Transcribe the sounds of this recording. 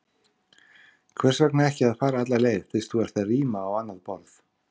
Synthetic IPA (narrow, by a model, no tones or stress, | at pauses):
kʰvɛr̥svaknaɛhcɪaðfaːɾaat̪laleːjðθɪst̪θuɛɾ̥t̪ariːmaːwanːaðpɔɾð